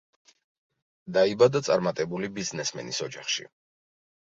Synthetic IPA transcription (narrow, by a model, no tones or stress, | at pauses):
d̪aibad̪at̪sʼaɾmat̪ʼɛbulibiznɛsmɛ̰nisɔd͡ʒaχʃḭ